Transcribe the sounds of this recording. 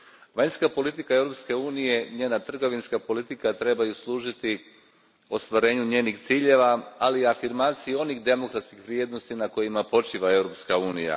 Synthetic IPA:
ʋaɲskapo̞lit̪ikae̞vɾopske̞uːnije̞ɲe̞ːnat̪r̩ɡo̞ʋinskapo̞lit̪ikat̪ɾe̞bajuslˠuːʒit̪i | o̞st̪ʋaɾe̞ːɲuɲe̞ːnixt̪siːʎe̞ʋaaliafiɾmaːt̪sijeo̞nixd̪e̞mo̞kɾat̪skixʋɾje̞ːd̪no̞st̪inako̞jimapo̞t͡ʃiʋae̞vɾo̞pskauːnija̰

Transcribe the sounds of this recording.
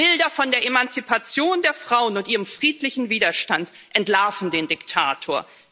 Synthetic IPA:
b̥ɪldɐfɔndeːɐʔemant͡sipʰat͡sjoːndeːɐfʁ̥aʊənʊntʔiːʁ̞əmfʁ̥iːtlɪçn̩viːdɐʃtant | ʔɛntlaɐfn̩deːndɪktʰaːtʰoːɐ

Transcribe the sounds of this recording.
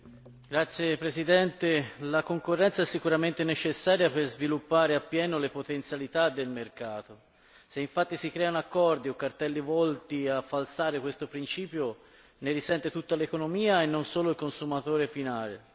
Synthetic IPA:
ɡ̥ɾat̪sːjepɾesid̪ɛnt̪elakoŋkorːɛnt̪saɛsːikuɾament̪enet͡ʃesːaːɾjaperzvilupːaːɾeapːjɛːnolepot̪ent̪sjalit̪ad̪ːelmerkaːt̪o | seiɱfat̪ːisikɾɛːanakːɔrd̪iokːart̪ɛlːivɔlt̪iafːalsaːɾekwest̪opɾint͡ʃiːpjo | neɾisɛnt̪et̪ut̪ːalekonomiːaenːonsoːloilkonsumat̪oːɾefinaːlḛ

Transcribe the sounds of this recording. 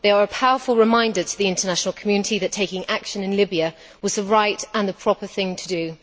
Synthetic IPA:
ðeɪəɹəpʰaʊəfəlˠɹɪmãɪ̃ndətʰəðiɪ̃ntənaʃnəl̩ˠkʰəmjʉnɪtʰiðɨtʰeɪkɪ̃ŋakʃə̃nɪ̃nlɪbiə | wɒzðəɹaɪtə̃nðəpʰɹ̥ɒpəθɪ̃ŋtʰədɨ

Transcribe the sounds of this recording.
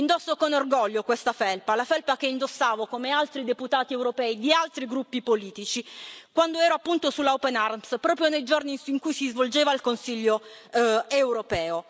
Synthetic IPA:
ind̪osːokonorɡɔʎːokwest̪afɛlpalafɛlpakeind̪osːaːvokomealt̪ɾid̪eput̪aːt̪iɛwɾopɛːid̪ialt̪ɾiɡɾupːipoliːt̪it͡ʃikwand̪oɛːɾoapːunt̪osulːaopɛnaɾmspɾɔːpɾjonejd͡ʒorniiŋkujsizvold͡ʒeːvailkonsiʎːo | ewɾopɛːo

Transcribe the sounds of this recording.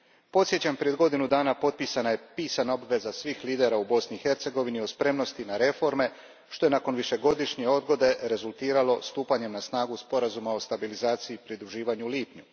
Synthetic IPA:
po̞t̪sjet͡ɕampɾijed̪ɡo̞d̪inud̪aːnapo̞t̪̚pisanaje̞piːsanao̞bʋe̞zasʋiːxliːd̪e̞ɾaubo̞sniːxe̞ɾt̪se̞ɡo̞ʋinio̞spɾe̞mno̞st̪inaɾe̞fo̞ɾme̞ | ʃt̪o̞jenako̞nʋiʃe̞ɡo̞d̪iʃɲe̞o̞d̪ɡo̞d̪e̞ɾe̞zulˠt̪iːɾalo̞st̪uːpaɲe̞mnasnaːɡuspo̞ɾazumao̞st̪abilizaːt̪siiːpɾid̪ɾuʒiːʋaɲuliːpɲu

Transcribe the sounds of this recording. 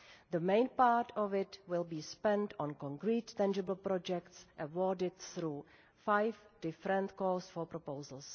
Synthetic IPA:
ðəmẽɪ̃npaɾtʰɔvɪtwɪlbiːspɛ̃ntɔ̃nkɔ̃ŋkɾiːtːæ̃nd͡ʒɪbl̩pɾɔd͡ʒɛktsʔəwɔdɪdθɾuː | fajvd̥ɪfɾɛ̃ntkɔːsfɔpɾopowzəlˠs

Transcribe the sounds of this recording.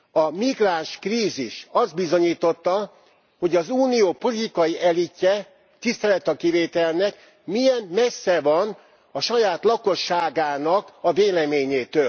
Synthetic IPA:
ɒmiɡraːnʃkriːziʃɒzd̪̚bizo̞ɲiːt̪o̞t̪ːɒ | ho̞ɟɒzuːnijoːpo̞lit̪ikɒjiʔɛlicːɛ | t̪ist̪ɛlɛt̪ɒkiveːt̪ɛlnɛk | mijɛnmɛsːɛvɒn | ɒʃɒjaːt̪lɒko̞ʃːaːɡaːnɒkɒveːlɛmeːɲeːt̪øːl

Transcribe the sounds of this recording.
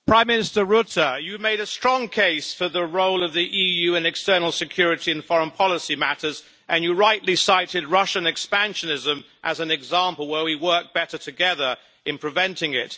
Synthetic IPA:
pʰɹ̥ãɪ̃mːɪ̃nɨstə˞ɹʊtəjɨmeɪɾɨstɹ̥ɔ̃ŋkʰeɪsfə˞ðəɹoʊlˠʌvðiʔijʉɨ̃nɨkstɜ˞nl̩ˠsɨkʰj̥ʊɹɨɾiɨ̃nfɔɹə̃npʰɑlˠəsimæɾə˞z | ʔɨ̃njɨɹaɪʔˡlisaɪɾɨd̚ɹʌʃɨ̃nɨkspæ̃nʃɨnɪzə̃m | ʔɨzɨ̃nɨɡzæ̃mpəl̩ˠwə˞wiwɜ˞k̚b̥ɛɾə˞tʰɨɡɛðə˞ | ɨ̃npʰɹ̥ɨvɛ̃ntʰɪ̃ŋɪt̚

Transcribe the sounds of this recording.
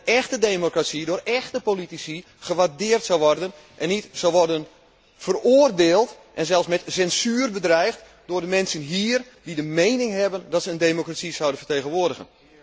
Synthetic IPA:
ɛxtədemokrasidʊːrɛxtəpolitisi | χəʋardɪːərtsɔwʋɔrdən | ʔɛnːitsowʋɔrdən | fərʊːərdeːlˠt | ʔɛnzɛlˠfsmɛtsɛnsyːrbədrɛjxt | dʊːrdəmɛnsənɦiːr | didəmejnɪŋɦɛbəndɔtsəəndejmokrasisawdənfərteːɣənʋoːrdəɣə̰n

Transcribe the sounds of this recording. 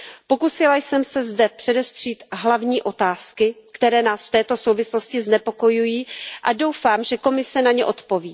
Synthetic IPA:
po̞kusɪlajsɛmsɛzdɛpr̥ɛdɛst̪r̥iːt̪ɦlavɲiːʔo̞t̪aːskɪkt̪ɛɾɛːnaːsft̪ɛːt̪o̞so̞wvɪslo̞scɪznɛpo̞ko̞jujiːʔado̞wfaːmʒɛko̞mɪsɛnaɲɛʔo̞t̪po̞viː

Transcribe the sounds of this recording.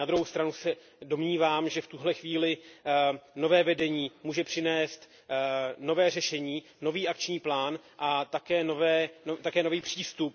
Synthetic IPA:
nad̪ɾuɦowst̪ɾanusɛ | do̞mɲiːvaːmʒɛft̪uɦlɛxviːlɪ | no̞vɛːvɛdɛɲiːmuːʒɛpr̝̥ɪnɛːst̪ | no̞vɛːrɛʃɛɲiː | no̞viːʔakt͡ʃɲiːplaːnʔat̪akɛːnovɛːnot̪akɛːno̞viːpr̝̥iːst̪up̚

